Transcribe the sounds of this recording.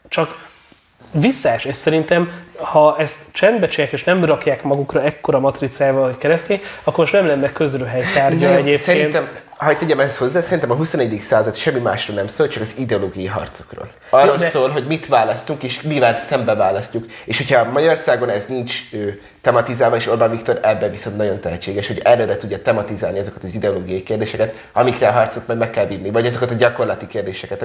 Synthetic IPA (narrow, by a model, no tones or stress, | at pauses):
t͡ʃɒk | visːaʃɛʃsɛɾint̪ɛmhɒʔɛst̪t͡ʃɛnd̪bɛt͡ʃjaːkeːʃnɛmrɒkjaːkmɒɡukrɒɛkːo̞ɾɒmɒt̪rit̪saːjvɒlɦockɛɾɛst̪iɒkːomoʃnɛmlɛnːɛkø̞zɾøːɦɛjt̪aːrɟɒɛɟeːpsɛɾeːint̪ɛm | hɒc̚t̪ɛɟɛmɛsho̞zːaːsɛɾint̪ɛmɒɦusonɛɟːɛd̪iksaːzɒt̪ʃɛmːima̰ːʃroːnɛmsoːlt͡ʃɒkɒzid̪ɛoloːɡijɒjiɦɒ̰rt̪so̥kro̰ːl | ɒrːo̞lssoːlɦo̞ɟmit̪ʋvaːlɒst̪uŋkeːʃmivɛlsɛmbɛvaːlɒscuk | eːʃhocʰhɒmɒɟɒorsaːɡo̞nɛznint͡ʃøː | t̪ɛmɒt̪izaːlvɒeːʃo̞rbanvikt̪o̞ɾɛbːɛviso̞nt̪nɒɟo̞nt̪ɛɦɛt͡ʃːeːɡɛʃhoɟɛɾøːɾɛt̪udɟːɒt̪ɛmɒt̪izaːlniɒzo̞kɒ̥t̪ɒzid̪ɛoloːɡijɒjikeːrd̪eːʃɛkɛt̪ | ɒmikrɛɒɦɒrt̪sot̪mɒjmɛkːɛlvinːivɒɟɒzo̞kɒt̪ɒɟɒko̞rlɒt̪ikeːrd̪eːʃɛkɛt̪